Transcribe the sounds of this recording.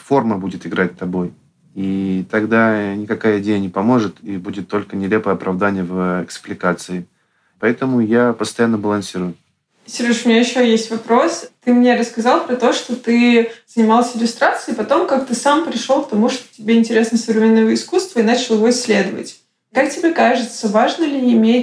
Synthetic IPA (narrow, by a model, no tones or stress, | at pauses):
fo̞rməbudʲɪt̪ɪɡɾat̚ʲt̪ːɐbo̞j | it̪ɐɡd̪anʲɪkɐkajəɪdʲejənʲɪpɐmo̞ʐɨt̪ibudʲɪt̪ːo̞lʲkənʲɪlʲe̞pəjɐpɾʔɐvd̪anʲɪjəvɛksplʲɪkat̪sɨɪ | pɐɛt̪əmʊjapəst̪ɐjanːəbəlˠɐnsʲiɾʊjʊ | sʲɪrɨʂʊmʲɪnʲajɪɕːojesʲtʲvɐpɾo̞st̪ɨmnʲe̞ɾəskɐzɑlˠpɾɐt̪o̞ʂt̪o̞t̪ɨz̥ənʲɪmalˠsʲəɪlʲʊst̪ɾat̪sɨjɪpɐt̪o̞mkak̚t̪ɨsampɾʲɪʂˠo̞lˠkt̪ɐmuʂt̪o̥tʲɪbʲeɪnʲtʲɪɾʲe̞snəjəsəvɾʲɪmʲenːovəɪskust̪vəinat͡ɕɪlˠjɪvo̞ɪsʲːlʲe̞d̪əvə̰tʲ | kak̚tʲɪbʲekaʐɨt̪səvaʐnəlʲɪːmʲe